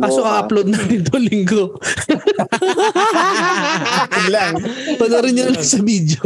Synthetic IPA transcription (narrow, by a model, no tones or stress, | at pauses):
paːsokɐʔɐplod̪nɐnɪt̪olɪŋɡo | ɪɡlaŋpɐnɐɾɪnjɐnlɐŋsɐbiːd̪jo